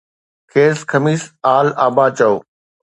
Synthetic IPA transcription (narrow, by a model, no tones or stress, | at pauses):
kʰeːskʰɐmiːsaːlaːbaːt͡ɕɐoː